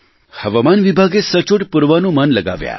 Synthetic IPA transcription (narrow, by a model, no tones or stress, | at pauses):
həʋamanʋibʱaɡesət͡ʃoʈpuɾʋanũmənləɡa̰ʋja̰